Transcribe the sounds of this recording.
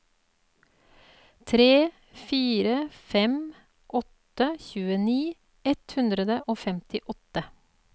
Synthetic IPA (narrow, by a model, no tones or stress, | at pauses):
t̪ʰɾeː | fiːɾəfɛm | ʔɔt̪əçʉːəniː | ɛt̪hʉnd̪ɾəd̪əʔoːfɛmt̪ɪʔɔt̪ə